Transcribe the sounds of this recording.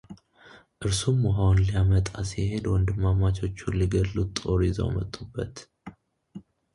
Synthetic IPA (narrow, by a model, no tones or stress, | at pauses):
ʔɨɾsumːaɦownlijamət̪ʼasihe̞d̪wɔnd̪ɨmːamat͡ʃʰo̞t͡ʃːuliɡəlːut̪ʼːo̞ɾizo̰mə̰t̪ʼːubːət̪